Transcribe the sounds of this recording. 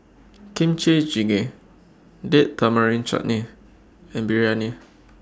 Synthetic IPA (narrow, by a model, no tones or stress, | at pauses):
kĩmt͡ʃed͡ʒiɡe | deʔt̪amaɹĩnt͡ʃɔ̰ʔ̚nĩ | ɛ̃mbiɹianĩ